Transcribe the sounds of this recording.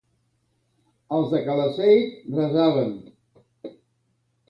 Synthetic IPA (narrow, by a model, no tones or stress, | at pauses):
əlˠzðəkələsejt̪rəzaβən